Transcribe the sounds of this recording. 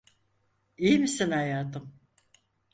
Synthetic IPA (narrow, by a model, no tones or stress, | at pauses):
ijmisinajaːt̪ʰɯm